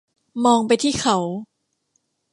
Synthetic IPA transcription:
mɔː˧ŋpa˧jt̪ʰiː˥˩kʰa˨˦w

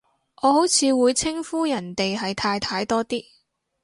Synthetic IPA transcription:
ʔɔː˨˧ɦo˨˥wt͡sʰiː˨˧wuː˨˧jt͡sʰɪ˥ŋfuː˥jɐ˨˩nt̪e˨jɦɐ˨jt̪ʰaː˧jt̪ʰaː˧jt̪ɔː˥t̪iː˥

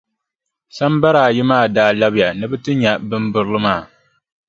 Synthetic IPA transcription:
sa˦mba˦ɾaː˨jɪ˦maː˦˨daː˦˨la˦bɪ˦ja˨nɨ˦bɨ˦tɨ˦ɲa˨bɨ˦mbɨ˦ɾɨ˦lɨ˦maː˦˨

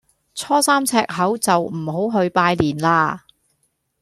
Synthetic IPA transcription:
t͡sʰɔː˥saː˥mt͡sʰɛː˧˥k̚ɦɐ˨˥wt͡sɐ˨wm̩˨˩hɦo˨˥wɦɵ˧ɥpaː˧jliː˨˩nlaː˧

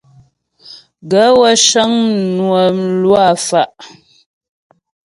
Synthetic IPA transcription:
ɡə˨˦wə˦ʃə˦ŋnwə˨lwa˦˨fa˨ʔ

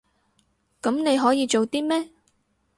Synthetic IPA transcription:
kɐ˨˥mne˨˧jɦɔː˨˥jiː˨˧t͡ʃo˨wt̪iː˥mɛː˥

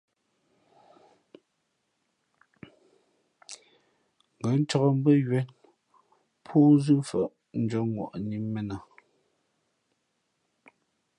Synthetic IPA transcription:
ŋ˨ɡə˨˦n̩˦t͡ʃɔ˦ɣɔ˦˨m̩˦bə˦jɥɛ˨˦n | pʰuː˦zʉ˦fə̰˨ʔ | n̩˦d͡ʒɔ˨˦ŋwɔ̰˨ʔniː˦ɛ˨na˨

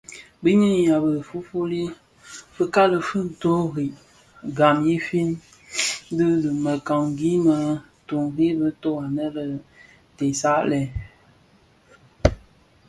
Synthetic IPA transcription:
bɨ˦ɲi˦˨ja˨bə˨fu˦fu˦li˦ | fɨ˦ka˦lɨ˨fɨ˦n̩˨to˦ɣi˨ | ɡa˨mji˦fi˦n˦ | dɨ˦lɨ˨mə˨ka˨ŋ˦ɡi˦mə˦˨ | to˨ŋɣi˦bɨ˦to˦a˨nə˦lə˨ | te˨sa˦ʔlɛ˨

